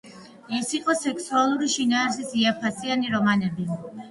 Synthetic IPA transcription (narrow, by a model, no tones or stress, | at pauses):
isiqʼɔsɛkʰsualˠuɾiʃinaːɾs̬isiapʰasianiɾɔmanɛbi